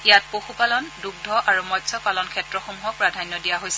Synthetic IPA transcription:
ijat̚poxupalɔnduɡ̚dʱɔʔaɹumɔtsʰɔpalɔnkʰɛtɹɔxomuɦɔpɔɹadʱanjɔdijaɦojsɛ

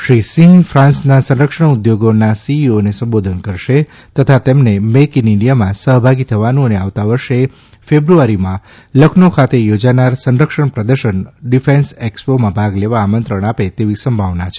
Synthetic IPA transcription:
ʃɾisĩŋfʰɾãnsnasə̃nɾəkʂəɽud̪joɡonasiionesə̃mbod̪ʱənkəɾʃe | t̪ət̪ʰat̪emnemekiniɳɖijamãsəɦbʱaɡit̪ʰəʋanũəneaʋt̪aʋəɾʃe | febɾuaɾimã | ləkʰnokʰat̪ejod͡ʒanaɾsə̃nɾəkʃəɳpɾəd̪əɾʃəɳɖifẽnsekspomãbʱaɡleʋaːmənt̪ɾəɳ̃apet̪eʋisəmbʱaʋnat͡ʃʰe̥

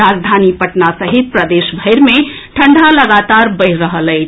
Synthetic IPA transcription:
ad͡ʒd̪ʱanipəʈnasəɦit̪̚pɾəd̪esbʱəjɾme | ʈʰəɳɖʱaləɡat̪aɾbəɪːəɦələɪt͡ʃʰ

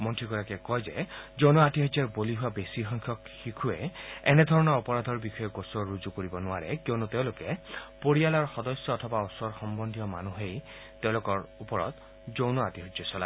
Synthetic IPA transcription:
mɔntʰɹiɡɔɹakɛkɔjzɛ̰zownɔatiɦɔd͡ʒɛɹboliɦʊwabesixɔŋkʰjɔkxikʰuḛɛnɛd̪ʱɔɹɔnɔɹɔpɔɹad̪ʱɔɹbixɔjɛɡosɔɹuzukoɹibɔnʊaɹɛ̰kiɔnuteʊ̃lʊkɛpoɹialaɹxɔdɔsjɔːtʰɔbaɔsɔɹxɔmbɔndʱijɔma̰nuɦej | teʊ̃lʊkɔɹupɔɹɔ̰t̪ | zownɔatiɦɔd͡ʒɔsɔla̰

